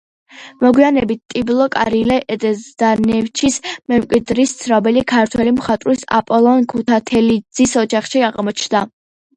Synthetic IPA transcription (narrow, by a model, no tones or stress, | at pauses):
mɔɡwianɛbit̪̚t̪ʼiblˠɔkʼaɾilɛʔɛd̪ɛzd̪̥anɛft͡ʃʰismɛmkʼwid̪ɾist̪sʰɾabɛlikʰaɾt̪ʰwɛlimχat̪ʼɾisa̰pʼɔlˠɔnkʰut̪ʰat̪ʰɛlid̪z̥isɔd͡ʒaχʃiaʁmɔt͡ʃʰnd̪a